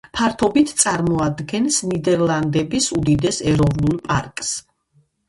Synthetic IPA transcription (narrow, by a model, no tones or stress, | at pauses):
pʰaɾt̪ʰɔbit̪ʰt̪sʼaɾmɔad̪ɡɛnsnid̪ɛɾlˠand̪ɛbisud̪id̪ɛsɛɾɔvnulˠpʼa̰ɾkʼs